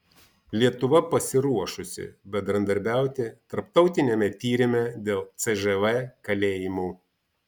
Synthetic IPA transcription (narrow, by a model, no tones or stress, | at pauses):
lʲiɛt̪ʊʋɐpɐsʲɪɾuɔʃʊsʲɪ̰bʲɛnd̪ɾɐnd̪ɐɾʲbʲæˑʊt̪ʲɪt̪ɐɾpt̪ɒʊt̪ʲɪnʲɛmʲɛt̪ʲiːɾʲɪmʲɛd̪ʲeːlˠt̪sɛʒɛʋɛkɐlʲeːjɪmuː